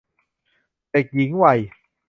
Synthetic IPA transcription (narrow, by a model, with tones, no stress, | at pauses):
t̪e˨˩k̚ji˨˩˦ŋwa˧˩j